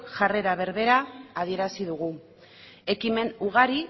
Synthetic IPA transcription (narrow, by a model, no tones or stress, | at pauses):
ʝare̞ɾaβ̞e̞ɾβe̞ɾaːðie̞ɾasiðuɣ̞u | e̞kime̞nuɣ̞aɾi